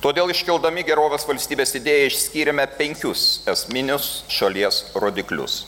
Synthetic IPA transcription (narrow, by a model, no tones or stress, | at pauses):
t̪oːd̪ʲeːlˠɪʃʲkʲɛlˠd̪ɐmʲɪɡʲɛɾoːʋʲeːsʋɐlʲsʲt̪ʲiːbʲeːsɪd̪ʲeːjɛɪʃsʲkʲiːɾʲɛmʲɛpʲɛŋʲkʲʊsɛsʲmʲɪnʲʊsʃɐlʲiɛsɾoːd̪ʲɪklʲʊ̰s